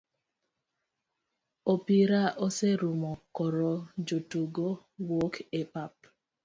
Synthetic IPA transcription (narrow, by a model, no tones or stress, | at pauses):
opiɾaʔoseɾumɔkɔɾɔd͡ʒotuɡo | wɔkepap̚